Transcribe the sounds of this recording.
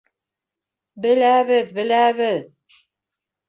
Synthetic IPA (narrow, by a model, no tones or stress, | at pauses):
bɘ̆læβɘðbɘ̆læβɘð